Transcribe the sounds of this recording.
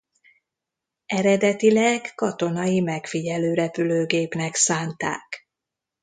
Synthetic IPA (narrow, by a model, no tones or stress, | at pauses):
ɛɾɛd̪ɛt̪ilɛkːɒt̪o̞nɒjimɛkfiɟɛløːɾɛpyløːɡeːpnɛksaːnt̪a̰ːk